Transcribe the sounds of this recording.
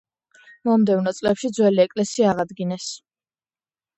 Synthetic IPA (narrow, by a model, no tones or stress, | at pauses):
mɔmd̪ɛvnɔt̪sʼlɛpʃid̪zwɛliɛkʼlɛsiaːʁad̪ɡinɛs